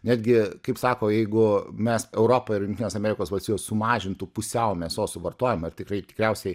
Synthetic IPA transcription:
nʲæːd̪ʲɡʲɪkɐɪpsɑːkoːjɛɪɡʊmʲɛsɛʊɾoːpɐɪɾjɪnʲt̪ʲinʲeːsɐmʲɛːɾʲɪkoːsʋɐlʲst̪ʲijʲoːssʊmɑːʒʲɪnt̪upʊsʲɛʊmʲɛsjoːsʊʋɐrt̪oːjɛmɪrt̪ʲɪkrɐɪt̪ʲɪ̥kɾʲɛʊsʲɛɪ

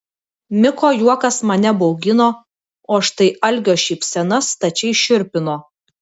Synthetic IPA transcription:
mʲɪkoːjuɔkɐsmɐnʲɛbɒʊɡʲɪnoː | oːɐʃt̪ɐɪɐlʲɡʲoːʃʲiːpʲsʲɛnɐst̪ɐt͡ʃʲɛɪʃʲʊɾʲpʲɪnoː

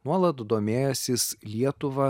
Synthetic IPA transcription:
nuɔlˠɐt̪d̪oːmʲeːjɛsʲɪslʲiɛt̪ʊʋɐ

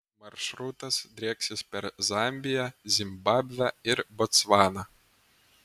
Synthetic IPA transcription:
mɐɾʃɾut̪ɐsd̪ʲɾʲeːksʲɪspʲɛɾzɑmʲbʲɪjɛzʲɪmbɑbʲʋʲæɪɾbɔt̪sʋɑːnɐ

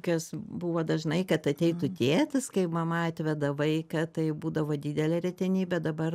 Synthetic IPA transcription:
kʲoːsbuːʋoːd̪ɐʒnɐɪkɐt̪ɐt̪ʲɛɪt̪ʊt̪ʲeːt̪ʲɪskɐɪpmɐmɐɑt̪ʲʋʲɛd̪ɐʋɐɪkɐt̪ɐɪbuːd̪ɐʋoːd̪ʲiːd̪ʲɛlʲɛɾʲɛt̪ʲɛnʲiːbʲɛd̪ɐbɐr

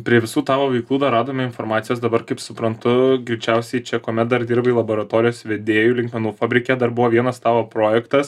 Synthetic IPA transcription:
pʲɾʲiɛʋʲɪsuːt̪ɑːʋoːʋɐɪklˠuːd̪ɐɾɑːd̪oːmʲɪɪnfoːɾmɑːt̪sʲɪjoːsd̪ɐbɐrkɐɪpsʊpɾɐnt̪ʊɡɾʲɪt͡ʃʲɛʊsʲɛɪt͡ʃʲɛkoːmʲɛt̪̚d̪ɐɾd̪ʲiːɾbɐɪlˠɐboːɾɐt̪oːɾʲɪjoːsʋʲed̪ʲeːjuːlʲɪŋkmʲɛnuːfɑːbʲɾʲɪkʲɛd̪ɐrbʊʋoːʋʲiɛnɐst̪ɑːʋoːpɾoːjɛkt̪ɐs

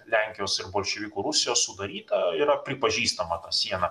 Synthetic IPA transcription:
lʲæŋʲkʲɪjoːsɪɾboːlʲʃʲeʋʲiːkuːɾʊsʲɪjoːssʊd̪ɐɾʲiːt̪ɐiːɾɐpʲɾʲɪpɐʒʲiːst̪ɐmɐt̪ɑːsʲiɛnɐ

